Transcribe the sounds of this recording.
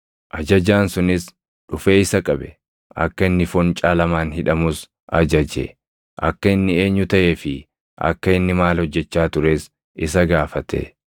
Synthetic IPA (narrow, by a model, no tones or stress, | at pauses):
ʔɐd͡ʒɐd͡ʒaːnsʊnɪs | ᶑʊfe̞ːɪsɐkʼɐbɛ̥ | ʔɐ̰kːɐɪnːɪfɔnt͡ʃʼaːlɐmaːnhɪᶑɐmʊs | ʔɐd͡ʒɐd͡ʒḛ | ʔɐ̰kːɐɪnːɪe̞ːɲːʊt̪ɐʔeːfɪ | ʔɐ̰kːɐɪnːɪmaːlhɔd͡ʒːɛt͡ʃːaːt̪ʊɾe̞ːs | ɪsɐɡaːfɐt̪ʰḛ